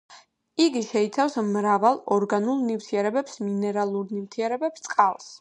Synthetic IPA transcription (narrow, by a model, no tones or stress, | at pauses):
iɡiʃɛit̪sʰafsmɾavalˠɔɾɡanulˠnivt̪ʰiɛɾɛbɛpsminɛɾalˠuɾnivt̪ʰiɛɾɛbɛpst̪ʼqʼalˠs